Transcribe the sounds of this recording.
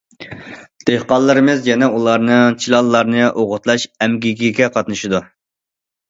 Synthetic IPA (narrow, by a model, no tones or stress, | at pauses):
d̪̥ehqɑlˠːɨɾɨmɨzjɛnɛulˠɑɾnɨt͡ʃʰilˠɑlˠːɑɾnɨʔoʁʊt̪lˠɑʃɛmɡʲiɡʲiɡʲɛqʰɑt̪nɨʃid̪u